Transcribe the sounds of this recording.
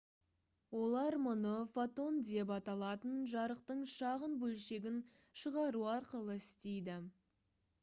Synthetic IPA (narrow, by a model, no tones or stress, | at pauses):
wo̞lˠɑɾmʊnəfat̪o̞nd̪e̞p̬ɑt̪ɑlˠɑt̪ənʒɑɾəq̚t̪əɴʃɑʁənbɵlʃe̞ɡʲɪn | ʃəʁɑɾuɑɾqəlˠəɪst̪e̞jd̪ɪ